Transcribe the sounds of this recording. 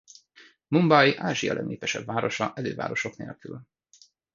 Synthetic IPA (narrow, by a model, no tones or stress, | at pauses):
mumbɒjʔaːʒijɒ̰lɛ̰neːpɛʃɛbvaːɾo̞ʃɒʔɛløːva̰ːɾo̞ʃo̞knḛːlkyl